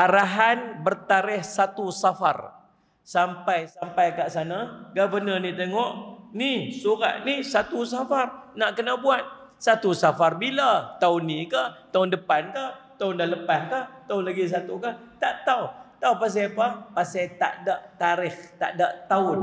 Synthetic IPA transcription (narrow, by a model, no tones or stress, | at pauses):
aɾaɦanbərt̪aɾɪhsat̪usafa̰r | sampajsampajkaʔsanaɡabənənit̪eŋɔʔnisuɾa̰ʔ̪̚nihsat̪usafarnaʔkənabuat̪̚ | sat̪usafarbilat̪aʊnːikaht̪aʊndəpankat̪aʊndahləpahkaht̪aʊnlaɡis̬at̪ukat̪aʔt̪aut̪awpas̬iapapasajt̪a̰ʔdaʔt̪aɾɪht̪a̰ʔdaʔt̪aʊn